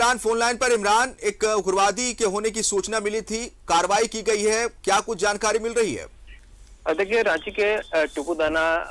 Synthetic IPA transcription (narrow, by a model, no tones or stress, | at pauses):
ɾaːnfoːnlaːɪnpɐɾɪmɾaːneːkɡʊɾʋaːd̪ikeɦoːnek̬isuːt͡ʃnamɪlit̪ʰikaːɾəʋaːikiɡɐiɦɛkjaːkʊt͡ʃʰd͡ʒaːnkaːɾimɪlɾɐɦiɦɛ̰ː | d̪eːkʰieɾãːt͡ʃikeʈukud̪aːna